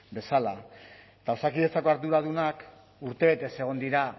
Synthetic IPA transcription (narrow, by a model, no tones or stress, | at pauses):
be̞sala | t̪awsakiðet͡sako̞aɾðuɾað̞unak | uɾt̪e̞βe̞t̪e̞se̞ɣ̞o̞nd̪iɾa